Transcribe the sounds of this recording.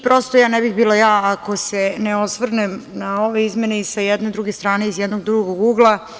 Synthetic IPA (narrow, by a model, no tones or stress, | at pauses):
pɾo̞st̪ojaːnɛbiɣbiːlˠojaːko̞se̞neosʋr̩nemnao̞ʋe̞izmeneisajɛd̪ned̪ɾuɡest̪ɾaːne̞izjɛd̪no̞ɡd̪ɾuɡoɡuːɡlˠa